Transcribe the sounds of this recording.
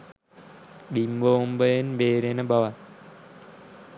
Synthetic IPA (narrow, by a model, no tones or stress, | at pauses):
bimbombəjenbeːɾenəbaʋat̪